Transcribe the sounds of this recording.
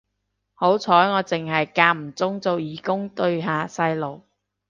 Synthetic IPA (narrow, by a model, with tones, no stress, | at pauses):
ho˨˥wt͡sʰɔː˨˥jŋɔː˨˧t͡sɪ˨ŋhɐ˨jkaː˧k̚m̩˨˩t͡sʊ˥ŋt͡so˨wjiː˨˥kʊ˥ŋt̪ɵ˧ɥɦaː˨˧sɐ˧jlo˨˩w